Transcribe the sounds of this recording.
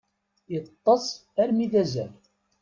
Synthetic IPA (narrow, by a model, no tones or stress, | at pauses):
jət̪ˤːɑsˤæɾmiðæzæl